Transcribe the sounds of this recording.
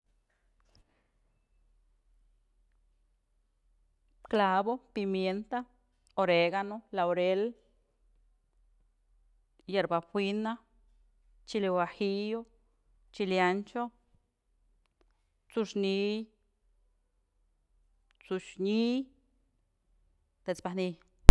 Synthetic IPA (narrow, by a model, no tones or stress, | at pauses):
klabopimjent̪a | oɾeɡanolaoɾel | jeɾbaxʷwina | t͡ʃilewaxijo | t͡ʃiljant͡ʃo | t͡suʃni | t͡suʃɲi | t̪et͡sbani